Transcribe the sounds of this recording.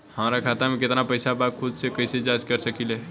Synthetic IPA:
həmɾakʰat̪amẽkɪt̪napəɪsabat̪̚kʰud̪sekəɪsed͡ʒad͡ʒkəɾsəkile

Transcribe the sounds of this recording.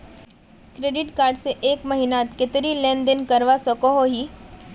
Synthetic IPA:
kɾeːɖɪʈkaːɾɖseʔeːkmɐɦinaːt̪kɪt̪ɾilẽːnd̪ɪnkɐɾʋasɔkoɦoɦiː

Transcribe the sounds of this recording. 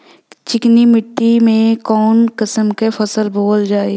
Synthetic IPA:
t͡ʃɪknimɪʈːimẽkɔːnkəsəmkepʰɐsəlboːld͡ʒaːe

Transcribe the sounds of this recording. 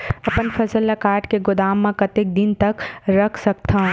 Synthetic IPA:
ɐpənfʰɐsəlːɐkaːɾʈkeɡʊd̪aːmːãkɐt̪ek̚d̪ɪnt̪ɐkɾɐkʰsɐk̚t̪ʰã

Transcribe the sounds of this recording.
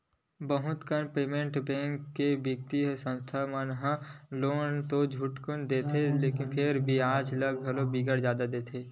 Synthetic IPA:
bəɦʊt̪kənpeːmẽɳʈbẽːŋkːebəɡt̪isə̃nst̪ʰamənɦə̃loːnt̪od͡ʒʱʊʈkʊnd̪eːt̪ʰeleːkɪnpʰɪɾbʱiaːd͡ʒləɡɡʱɐlobiːɡəɾzjaːd̪ad̪eːt̪ʰeː

